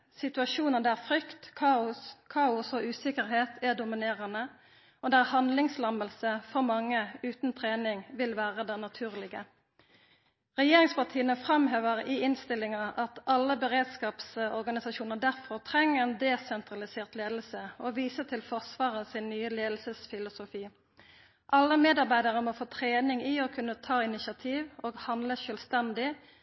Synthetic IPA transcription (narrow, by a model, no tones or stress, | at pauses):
sɪt̪ʉɑʃuːnəd̪ɛæfʁʏkt̪kʰɑːʊskʰɑːʊsoʔʉːsɪkəʁheːt̪ʰæd̪ʊmɪneːʁənə | od̪ɛæʁhɑnd̪lɪŋslɑməlsəfɔʁmɑŋːəʉːt̪n̩t̪ʰʁeːnɪŋʋɪlʋæːʁəd̪ɛnɑt̪ʰʉːʁlɪɡə | ʁɛjeːʁɪŋspɑʁʈ̪ʰiːənəfʁɑmɦeːʋəʁɪɪnst̪ɪlɪŋɑʔɑt̪ɑlːəbəʁeːd̪skɑːpsɔʁɡɑnɪsɑʃuːnəʁd̪æʁfɔʁt̪ʰʁɛŋːəʁeːnd̪ɛsɛnt̪ʁɑlɪseːʁt̪leːd̪l̩səoʋiːsət̪ʰɪlfɔʁsʋɑːʁəsɪnːyːəleːd̪l̩səsfɪlʊsʊfiː | ʔɑlːəmeːd̪ɑʁbæɪd̪əʁəmɔfoːt̪ʰʁeːnɪŋiɔkʰʉnːət̪ʰɑːɪnɪsɑt̪ʰiːʋoːɡhɑnd̪ləʃœːlst̪ɛnd̪ɪ